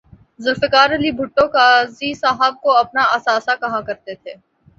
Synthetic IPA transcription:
zʊlfɪkaːɾɐlibʱʊʈːõkaːzisaːɦəb̚koɐpnaʔɐsaːsakɐɦãkɐɾt̪et̪ʰeː

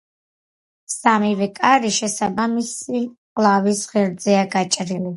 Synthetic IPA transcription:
samivɛkʼaɾiʃɛsabamisiqʼlˠavisʁɛɾd̪zɛaɡat͡ʃʼɾili

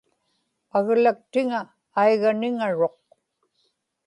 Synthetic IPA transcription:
aɣlak̚t̪ɪŋaː | jɣanɪŋaɻo̞q̚

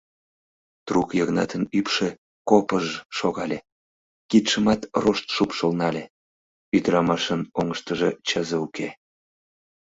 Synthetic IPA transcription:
t̪rukjəɣnɑt̪ənypʃe | kopəʒʃoɣɑlʲe | kit̪ʃəmɑt̪roʃt̪ʃupʃəlnɑlʲe | yd̪ɾɑmɑʃənoŋəʃt̪əʒet͡ɕəzəuke

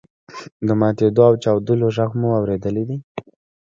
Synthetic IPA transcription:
d̪əmɑt̪ed̪oawt͡ʃɑwd̪əloʒəɣmuawɾed̪əlid̪i

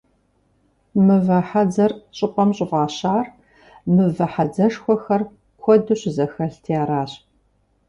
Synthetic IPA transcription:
mɨvɐħad͡zɐrɕʼɪqʷɔmɕʼɪʁɑːɕaːr | mɨvɐħad͡zɐʂxʷɔxɐr | kʷʰɔdɨɕzɐxɐɬtʰijaːɾaːɕ

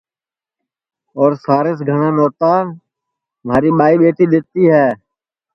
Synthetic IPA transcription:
ɔːɾsaːɾes̬ɡʱəɳãːnoːt̪aː | maːɾiːɓaːiːɓeːʈiːɗ̪ɪt̪iːɦɛː

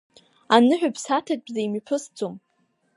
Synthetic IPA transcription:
anɨħᶣapʰsatʰat̚ʼbzajmipʰɨsd͡zʼom

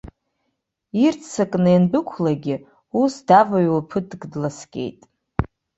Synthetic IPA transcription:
irt͡sʰt͡sʰakʼnɨjanbɨkʷʰlaɡʲɪ | usdavaɥwapʰɨtɡdlaskʲʼe̞̰jtʼ

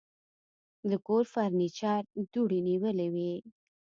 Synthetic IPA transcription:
d̪əkoɾfaɾnit͡ʃɑɾd̪uɽiniwəlewi

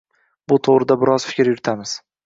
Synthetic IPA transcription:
bʊt̪ʰoʁɾɪd̪abɪɾɒzfɪ̥kʲɾjʊɾɪt̪ʰamɪz̥

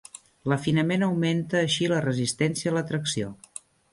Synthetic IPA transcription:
ləfinəmenəwment̪əːʃilərəzist̪ɛnsiəːlət̪ɾəksio

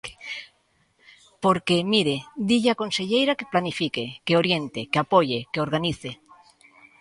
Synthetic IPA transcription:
poɾkemiɾed̪iʎako̞nse̞ʎejɾakeplanifikekeoɾje̞nt̪ekeapoʎekeo̞ɾɣaniθe

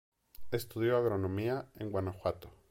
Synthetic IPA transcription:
e̞st̪uðjoaɣɾo̞nõ̞miaeŋɡwanaxwat̪o̥

